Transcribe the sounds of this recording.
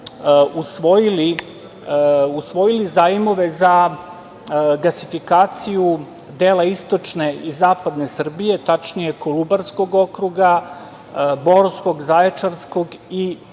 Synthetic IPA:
usʋo̞jili | usʋo̞jilizaːjimo̞ʋe̞za | ɡlasifikaːt̪siju | d̪eːlaist̪o̞t͡ʂne̞izaːpad̪ne̞sr̩bije̞t̪at͡ʃnije̞kolubaɾsko̞ɡo̞kɾuɡa | bo̞ɾsko̞ɡzaet͡ʂaɾsko̞ɡi

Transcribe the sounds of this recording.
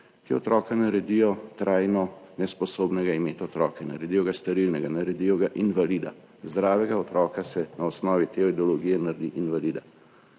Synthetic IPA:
kiɔt̪ɾɔːkanaɾɛd̪ijɔt̪ɾʔaːjnɔnɛspɔsoːbnɛɡaimeːt̪ɔt̪ɾɔ̰ːkɛna̰ɾɛd̪ijɔɡast̪ɐɾilnɛɡanaɾɛd̪iːjɔɡaʔinʋalid̪a̰ | zd̪ɾaːʋɛɡaɔt̪ɾɔːkasɛnaɔsnɔːʋit̪eːɔid̪ɛɔloɡijɛnaɾd̪iʔinʋaliːd̪a

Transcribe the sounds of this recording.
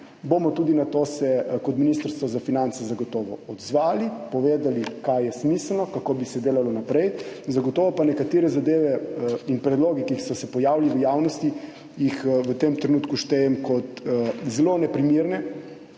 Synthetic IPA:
bomɔt̪uːd̪inat̪osɛkɔt̪minist̪əɾst̪ʋɔzafinant̪sɛzaɡɔt̪ɔːʋɔɔd̪zʋaːlipɔʋeːd̪alikajɛsmisəlnɔkakoːbisɛd̪eːlalɔnapɾɛjzaɡɔt̪ɔːʋɔpanɛkat̪eːɾɛzad̪eːʋɛinpɾɛd̪loːɡɛkiixsɔsɛpɔjaːwliʋəjaːwnɔst̪i | jixʋət̪emt̪ɾɛnuːt̪kuʃt̪ɛjɛmkɔt̪zɛlonɛpɾimiɾnɛ

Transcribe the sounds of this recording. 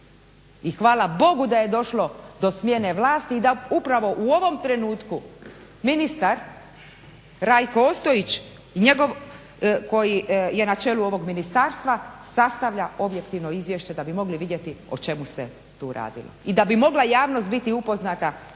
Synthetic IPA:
ixʋaːlabo̞ɡud̪aje̞d̪o̞ʃlo̞d̪o̞smje̞ne̞ʋlaːst̪iːd̪aupɾaʋo̞ʔuo̞ʋo̞mt̪ɾe̞nuːt̪ku | minist̪aɾ | ɾajkoost̪o̞it͡ɕ | iɲe̞ɡo̞ʋ | ko̞jije̞nat͡ʃe̞ːluo̞ʋo̞ɡminist̪aːɾst̪ʋasast̪aʋʎao̞bje̞kt̪iʋno̞izʋje̞ʃt͡ɕe̞d̪abimo̞ɡliʋid̪je̞t̪io̞t͡ʃe̞muse | t̪ṵːɾa̰ːd̪ḭlo̞̰id̪abimo̞ɡlajaːʋno̞st̪bit̪iupo̞znat̪a

